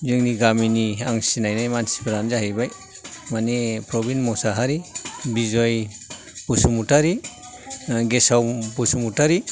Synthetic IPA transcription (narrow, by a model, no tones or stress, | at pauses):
zɯŋniɡaminiaŋsinajnajmansi̥pʰaɾanzaɦɯjbaj | manepɾɔbinmɔsaɦaɾibizɔj | bɔsumutaɾi | ɡesawbɔsumutaɾi